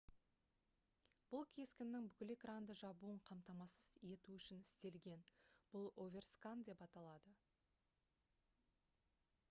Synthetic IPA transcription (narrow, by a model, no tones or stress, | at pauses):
b̥ʊlˠkʲʰe̞skʲɪnːɪŋbʏkʲɪle̞krand̪əʒɑbuəɴqʰɑmt̪ɑmɑsəz̥e̞t̪uʏʃɪnɪst̪e̞lɡʲe̞nb̥ʊlˠo̞vʲe̞rskand̪e̞pɑt̪ɑlˠɑd̪ə